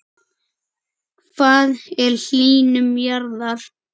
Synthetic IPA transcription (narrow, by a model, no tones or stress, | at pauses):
kʰvaːðɛɾ̥l̥iːnʏmjaɾðaɾ̥